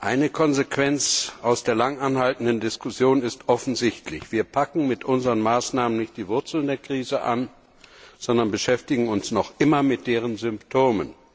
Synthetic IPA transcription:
ʔaɪnəkʰɔnzekʰv̥ɛnt͡sʔaʊsd̥eːɐlaŋʔanhaltn̩dəndɪskʊsjoːnɪstʔɔfn̩zɪçtʰlɪçv̥iːɐpʰakŋ̩mɪtʔʊnzəʁənmaːsnaːmənɪçt̚d̥iːvʊɐt͡sl̩ndeːɐkʁ̥iːzəʔa̰n | z̥ɔndɐnbəʃɛftɪɡŋ̩ʊnsnɔχʔɪmɐmɪt̚d̥eːʁ̞ənzʏmptʰoːmən

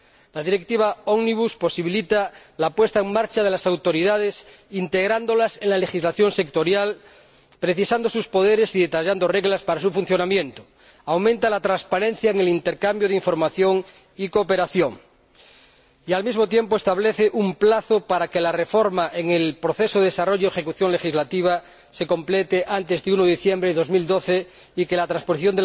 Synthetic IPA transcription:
lað̞iɾek̚t̪iβ̞aoɣniβ̞uspo̞siβilit̪alapwe̞st̪aeŋmaɾt͡ʃaðelasawt̪o̞ɾiðað̞esint̪eɣ̞ɾand̪o̞laseŋlale̞xizlaθjo̞nsek̚t̪o̞ɾjal | pɾeθisand̪osuspo̞ð̞eɾesiðe̞t̪aʎand̪ore̞ɣlaspaɾasufun̟θjo̞namjẽnt̪o | awmẽnt̪alat̪ɾanspaɾẽ̞n̟θjaeŋe̞lint̪eɾkambjoð̞iɱfo̞ɾmaθjo̞ŋ | ikoːpeɾaθjoŋ | ialmizmot̪̬jempoest̪aβleθeʔumplaθopaɾakelarefoɾmaʔeŋelpɾoθesoðeðesaro̞ʝoexe̞kuθjoŋle̞xizlat̪iβ̞a | se̞ko̞mplet̪eʔant̪ezðeunoðiθjembɾeeðo̞zmild̪oθe | ikelat̪ɾãnsposiθjond̪e

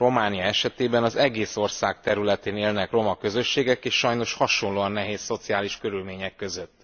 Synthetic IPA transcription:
ro̞maːnijɒɛʃɛt̪eːbɛnɒzɛɡeːso̞rsaːk̚t̪ɛɾylɛt̪eːneːlnɛkro̞mɒkø̞zø̞ʃːeːɡɛkeːʃʃɒjno̞ʃhɒʃo̞nloːɒnːɛɦeːsːo̞t̪sijaːliʃkø̞ɾylmeːɲɛkːø̞zø̞t̪ː

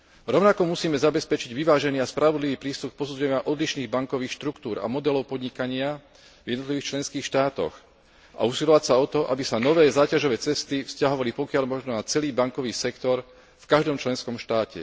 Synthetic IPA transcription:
ɾɔʊnakɔmusiːmɛzabɛspɛt͡ʃiɟʋiʋaːʒɛniːaspɾʔaʋɔd̪liʋiːpɾiːst̪uk̚pɔsud͡zuɛɲɪaʔɔd̪liʃniːɣbaŋkɔʋiːxʃt̪ɾukt̪uːɾa̰mɔd̪ɛlɔʊpɔd̪ɲikaɲɪa | vjɛd̪nɔt̪liʋiːxt͡ʃlɛnskiːxʃt̪aːt̪ɔ̰x | a̰usilɔʋacsaɔt̪ɔʔa̰bisanɔʋɛːzaːcaʒɔʋɛːt͡sɛst̪ifscaɦɔʋalipɔkɪaʎmɔʒnɔnat͡sɛliːbaŋkɔʋiːsɛkt̪ɔɾ | fkaʒd̪ɔmt͡ʃlɛnskɔmʃt̪aːcɛ̰

